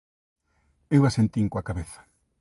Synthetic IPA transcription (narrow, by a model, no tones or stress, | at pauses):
ewasent̪iŋkoakaβeθḁ